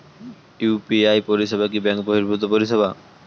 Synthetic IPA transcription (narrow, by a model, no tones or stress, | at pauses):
upiajpoɾiʃebak̬ibɛŋkboɦiɾbʱut̪opoɾiʃeba